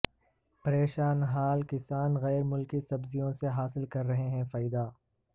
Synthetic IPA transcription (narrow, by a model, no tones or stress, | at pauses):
pɐɾeːʃaːnɦaːlkɪsaːnɣɛːɾmʊlkisɐbzijõseɦaːsɪlkɐɾːɐɦeɦɛ̃faːɪd̪aː